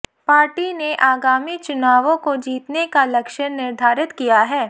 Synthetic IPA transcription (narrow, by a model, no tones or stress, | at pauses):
paːɾʈineʔaːɡaːmit͡ʃʊnaːʋõkod͡ʒiːt̪nekalɐkʃəɽnɪɾd̪ʱaːɾɪt̪kijaɦɛː